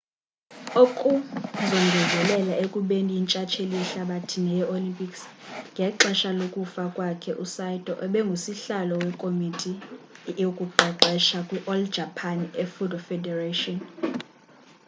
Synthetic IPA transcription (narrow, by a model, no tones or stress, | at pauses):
okʼuzɔŋɡʱɛzʱɛlɛlaʔekʼuɓendiːnt͡ʃʼat͡ʃʰeliɬaɓatʰinɛjɛʔolimpʼiksŋɡʱɛǁɛʃalokʼufakʼwakʰɛʔusajdʼɔ̰ʔɛɓɛŋɡʱusiɬalɔwɛkʼomitʼijokʼuǃɛǃɛʃakʼwiʔɔld͡ʒʱapʰanefudʱɔfɛdɛretʼɔn